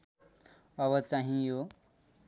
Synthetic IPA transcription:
ʌβʌt͡saɦĩjo

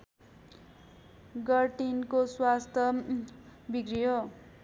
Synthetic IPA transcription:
ɡʌrʈinkoswast̪ʰʌ | biɡriɦo

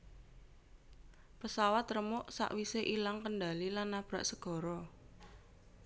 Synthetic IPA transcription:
pəsawat̪rəmʊʔsa̰ʔwiseʔilaŋkənɖa̤lilanːab̥ɾa̤̰ʔsəɡ̥ɔ̤ɾɔ

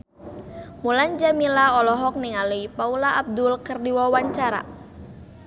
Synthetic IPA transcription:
muland͡ʒamilaɔlɔɦɔk̚niŋaluipaulaʔab̚dʊlkərdiwawaɲt͡ʃaɾa̰

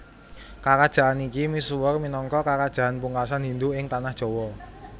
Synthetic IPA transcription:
kakad̥ʒ̥a̤ʔanikimisuwərminɔŋkɔkakad̥ʒ̥a̤ʔanpuŋkasanɦind̪uɪŋt̪anahd̥ʒ̥ɔ̤wɔ

